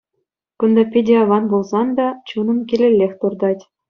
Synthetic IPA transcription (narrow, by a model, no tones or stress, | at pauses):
kund̪ɑpʲedʲeɑʋɑnbulˠzɑnd̪ɑt͡ɕunɤ̆mkʲelʲelʲːexʲt̪urd̪ɑtʲ